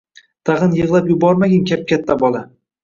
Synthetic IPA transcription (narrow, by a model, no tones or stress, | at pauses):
t̪ʰaʁɨnjɨʁlˠapjʊbɒɾmaɡʲɪnkʲap̚kʲat̪ʰːabɒlˠa